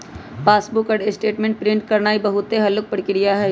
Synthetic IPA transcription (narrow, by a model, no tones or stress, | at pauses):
paːsbʊkəɖesʈeːʈmẽɳʈ̚pɾɪ̃ɳʈ̚kɐɾnaːibɐɦʊt̪eɦɐlʊk̚pəɽkɪɽijaɦɛ